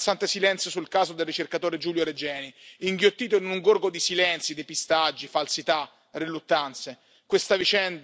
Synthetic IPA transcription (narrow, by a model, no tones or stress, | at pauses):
sant̪esilɛnt̪sjosulkaːzod̪elːit͡ʃerkat̪oːɾed͡ʒuːljoɾed͡ʒɛːniiŋɡjot̪ːiːt̪oinuŋɡorɡod̪isilɛnt̪sjid̪epist̪ad͡ʒːifalsit̪a | relut̪ːant̪se | kwest̪avit͡ʃɛnd̪